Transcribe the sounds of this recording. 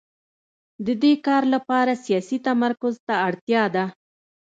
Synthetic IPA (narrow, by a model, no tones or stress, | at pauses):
d̪əd̪ekɑɾlapɑɾasijɑsit̪amaɾkʊzt̪aːɽt̪jɑd̪a